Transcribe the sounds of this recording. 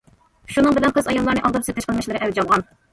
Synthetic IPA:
ʃunɨŋbɪlɛnqʰəzɑjɑlˠːɑɾnɨʔɑlˠd̪ɨɾsɨzt̪ɛʃqəlˠmɛʃlˠɨɾɨʔɛwd͡ʒɑlˠʁɑn

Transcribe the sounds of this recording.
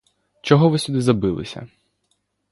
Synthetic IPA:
t͡ʃɔɦɔʋɪsʲud̪ɪzɐbɪlˠɪ̰sʲɐ̰

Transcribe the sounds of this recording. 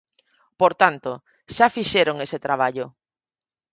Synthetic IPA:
poɾt̪ant̪o | ʃafiʃeɾoŋeset̪ɾaβ̞aʎo

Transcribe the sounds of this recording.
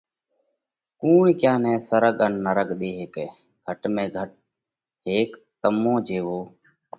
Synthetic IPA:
kuːikjãːnẽːsəɾəɠənːəɾəkɗ̪eːɦeːkeː | ɡʱəʈmẽːɡʱəʈ̚ | ɦeːk | t̪əmõːd͡ʒeːʋoː

